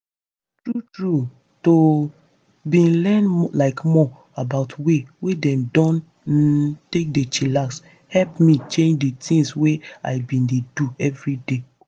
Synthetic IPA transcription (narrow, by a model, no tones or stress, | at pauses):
tɹutɹu | to | bĩnlɛ̃nlaɪkmɔ | abaʊtʰwewedɛ̃mdɔ̃n | tek̚det͡ʃilas | hɛlpmit͡ʃẽnd͡ʒditĩŋswea̰ɪbĩndeduɛvɹide